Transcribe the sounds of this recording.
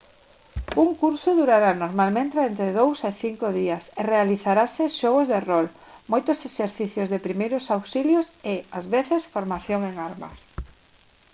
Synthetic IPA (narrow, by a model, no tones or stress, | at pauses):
uŋkuɾsʊðuɾaɾanoɾmalmẽnt̪eent̪ɾɪðowseθiŋkoðiɐserealiθaɾaseʃɔɣ̞ozðerɔl | mojt̪ʊseseɾθiθjozðepɾimejɾʊsawsiljosɪazβeθesfoɾmaθjoŋeŋaɾmɐ̰s